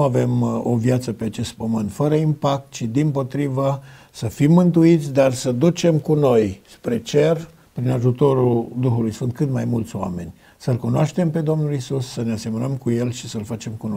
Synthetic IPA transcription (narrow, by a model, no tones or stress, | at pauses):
ave̞mo̞vjat̪səpe̞at͡ʃe̞st̪̚pəmɨnt̪fəɾəimpak̚t̪̚t͡ʃid̪impo̞t̪ɾivə | səfimːɨnt̪uit̪sʲd̪arsəd̪ut͡ʃe̞mkuno̞jspɾe̞t͡ʃe̞r | pɾinaʒut̪o̞ɾuld̪uxulujsfɨnt̪̚kɨt̪majmult̪sʲoa̰me̞nʲ | səlkunoaʃt̪empe̞d̪o̞mnulisusːənease̞mənəmkuje̞lʃisəlfat͡ʃe̞mkuno